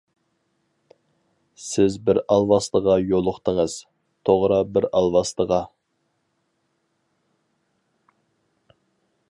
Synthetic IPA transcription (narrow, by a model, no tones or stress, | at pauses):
sɪzbɪɾɑlˠwɑslˠəʁɑjolˠʊχt̪əŋəz̥ | t̪ʰoʁɾɑbɪɾɑlˠwɑslˠəʁɑ